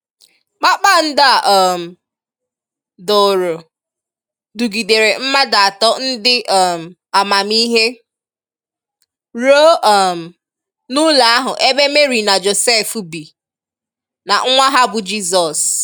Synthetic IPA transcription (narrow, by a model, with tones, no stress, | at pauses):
k͡pa˦k͡pa˦n̩˦da˦˨ʔɔ˦˨m̩˨ | dɔ˨ɾo˨ | du˨ɡi˨de˨ɾe˨m̩˦ma˦da˨a˨tɔ˦n̩˦dɪ˦ʔɔ˦˨m̩˨ | a˨ma˨mi˦ɦe˦ | ɾo˦ɔ˦˨m̩˨ | nʊ˦la˨a˦ɦʊ̰˨ʔe˦be˦me˦ɾi˨na˨d͡ʒo˨se˦˨fu˦bi˨ | na˨ŋ̩˦ŋʷa˦ɦa˦bʊ˨d͡ʒi˦zɔ˨s